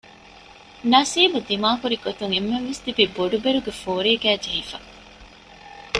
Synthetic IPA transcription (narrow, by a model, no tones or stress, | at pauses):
nɐsiːbud̪imaːkuɾiɡot̪uŋemːenʋest̪ibiboɖubeɾuɡefoːɾiːɡæːd͡ʒɐɦifɐ̰